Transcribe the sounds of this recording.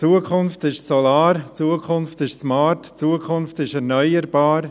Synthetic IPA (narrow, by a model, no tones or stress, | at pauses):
t͡suːəkʰʊnftɪʃsɔlaːɾt͡suːəkʰʊnftɪʃsmaːɾtt͡suːəkʰʊnftɪʃɛɾnœʏəɾb̥aːɾ